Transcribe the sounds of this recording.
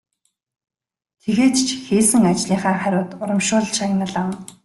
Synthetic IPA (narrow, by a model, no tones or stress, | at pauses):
t̪ʰeɣeːt̪t͡ɕʰxeːsɘ̆ŋat͡ɕɮiːχaːχæɾʲʊːt̪ʊɾə̆mʃʊːɮʃaɣʲnə̆ɮan